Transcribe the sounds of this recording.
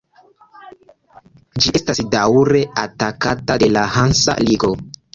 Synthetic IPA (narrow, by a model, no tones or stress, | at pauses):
d͡ʒiestasdawɾe̞atakatade̞lahansa̰liɡo̞